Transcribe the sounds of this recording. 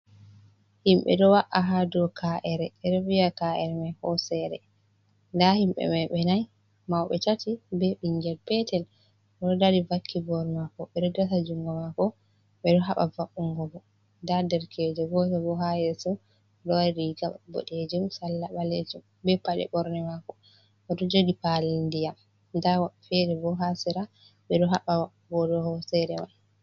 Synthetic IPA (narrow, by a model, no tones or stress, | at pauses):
himɓɛ̰ɗɔwaʔaɦadɔkʰaʔɛɾɛɛdɔviakaʔɛɾɛmahɔsɛɾɛ̰ | ndahimɓɛ̰mɛɓɛnaj | mawɓɛtatibɛɓiɲɡɛlpɛtɛl | ɔdadivakʰːibɔɾmakɔɓɛdɔdatad͡ʒuŋɡɔmakɔ | ɓɛɗɔɦaɓavaʔuŋɡɔbɔ | dadɛɾkɛd͡ʒɛɡɔtɔbɔɦajɛsɔ | dɔwaɾiɡabɔ̰ɗed͡ʒumsalːaɓaled͡ʒum | bɛpaɗɛ̰ɓɔɾnɛmakɔ | ʔɔɗɔd͡ʒoɡipalindijam | dawaɓfɛɾɛbɔɦasiɾa | ɓɛɗɔɦaɓawaubɔdɔhɔsɛɾɛwal